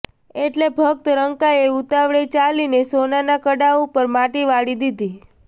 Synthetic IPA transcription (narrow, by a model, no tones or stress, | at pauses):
eʈlebʱək̚t̪ɾəŋkaeut̪aʋɭet͡ʃalinesonanakəɽaupəɾmaʈiʋaɽid̪id̪i